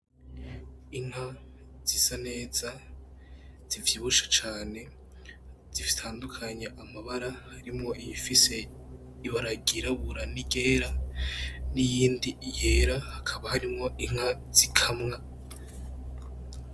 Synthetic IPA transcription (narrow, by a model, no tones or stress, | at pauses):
iŋ̥haz̥isane̞ːz̥a | z̥ivjiβuʃḁt͡ʃaːne̞ | z̥ivi̥tʰaːndukʰaɲeʔamaβaɾahaɾimŋo̞ʔijifise̞ | iβaɾaɡiɾaβuɾaniɡe̞ːɾa | nijiːndije̞ːɾahakʰaβahaɾimŋo̞ʔiŋ̥haz̥ikʰamŋa